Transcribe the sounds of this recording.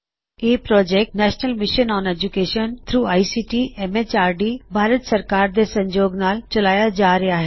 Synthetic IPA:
eːpɾɔːd͡ʒɛk̚ʈnɛːʃnəlmɪʃənɔ̃ːned͡ʒukeːʃənt̪ʰɾuːaːisiːʈiːɛmet͡ʃaːɾɖiːbʱaːɾət̪sɐɾkaːɾd̪esɐ̃ɲd͡ʒoːɡnaːlt͡ʃɐlaːjad͡ʒaːɾɐaɦɛː

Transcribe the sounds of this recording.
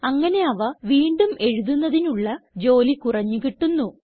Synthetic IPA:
ɐŋːɐne̞ɐʋɐʋiːɳɖume̞ɻuðunːɐðinuɭːɐd͡ʑo̞ːlikurɐɲːukiʈːunːu

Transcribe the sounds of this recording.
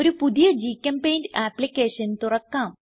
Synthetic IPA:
oɾupud̪ijɐd͡ʑiːkɐmpeːjnaːplikeːʂɐnt̪urɐkːaːm

